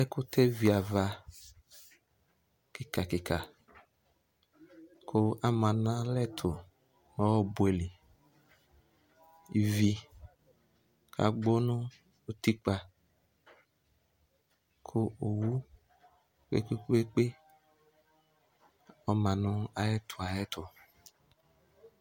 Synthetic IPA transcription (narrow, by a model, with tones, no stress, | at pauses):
ɛ˦kʊ˦tʰe˦vi˨a˨va˨ | kɪ˦ka˨kɪ˨ka˨ | kʰʊ˦a˦mã˨nã˦lɛ˦tʰʊ˨ | nɔ˦˨bu˨e˨li˨ | i˨vi˨ | kʰa̰˨ɡ͡bo˦nʊ̃˦ | o˦ti˦k͡pa˨ | kʰʊ˦o˨wu˦ | k͡pḛ˦k͡pe˦e˦k͡pe˦ | ɔ˦mã˨nʊ̃˦a˨jɛ˦tʰʊ˨a˨jɛ˦tʰʊ˨